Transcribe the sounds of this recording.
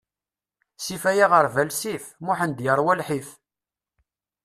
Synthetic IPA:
sifæjaʁəɾvælsifmʊħənd̪jəɾˤwælħif

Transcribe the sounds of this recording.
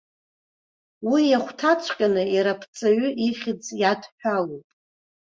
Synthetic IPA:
wijaχʷtʰat͡ʃʷʰʼqʲʼanɨiɾapʰt͡sʼaɥʏiχʲɪd͡zjadħʷᶣalopʼ

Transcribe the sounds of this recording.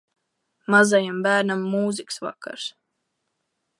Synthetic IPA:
mazajambæːɾnamːuːziksva̰kːa̰ɾs

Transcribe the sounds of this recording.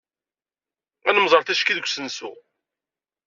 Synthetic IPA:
ænəmzˤəɾˤθæʃkiðəɡʷsənsṵ

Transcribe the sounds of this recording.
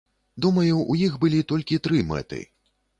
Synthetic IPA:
d̪umɐjuʔujixbɨlʲit̪ɔlʲkʲit̪ɾɨmɛ̰t̪ɨ̰

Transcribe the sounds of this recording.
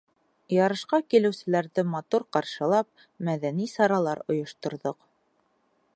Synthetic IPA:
jɑɾɤ̆ʃqɑkilɘ̆wsɘ̆læɾðɘmɑt̪uɾqɑɾʃɤ̆lˠɑp̚ | mæðænisɑɾɑlˠɑɾŏjŏʃt̪ŏɾðoq

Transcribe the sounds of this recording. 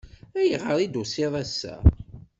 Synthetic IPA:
æjəʁəɾˤid̪useðˤæsːæ̰

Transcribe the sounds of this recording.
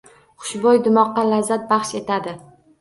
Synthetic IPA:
χʊ̥ʃbɒjd̪ʊmɒqːɑlazːat̪̚bɑχʃe̞t̪ʰad̪ɪ

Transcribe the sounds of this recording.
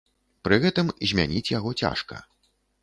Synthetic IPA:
pɾɨɣɛt̪ɨmzʲmʲa̰nʲit͡sʲjaɣɔt͡sʲa̰ʂkɐ̰

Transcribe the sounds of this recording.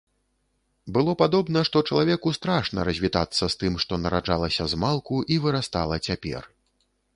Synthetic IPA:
bɨlˠɔpad̪ɔbnɐʂt̪ɔt͡ʂɐlˠavʲɛkust̪ɾaʂnɐ̰ɾɐzʲvʲit̪a̰t̪sːɐst̪ɨmʂt̪ɔnɐɾaʐalˠɐsʲɐzmalˠkuʔivɨɾast̪a̰lˠɐt͡sʲapʲɛ̰r

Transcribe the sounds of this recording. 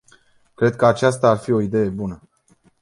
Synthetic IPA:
kɾe̞d̪̚kəat͡ʃas̬t̪aːrfio̞id̪e̞je̞bunə

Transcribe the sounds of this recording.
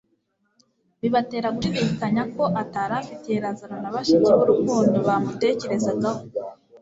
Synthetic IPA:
βiβate̞ːɾaɡuiβikaɲako̞ʔataːɾafitejeɾazananaβaʃikeβuɾukuːndoβamute̞ːce̞ɾe̞zaɡaho

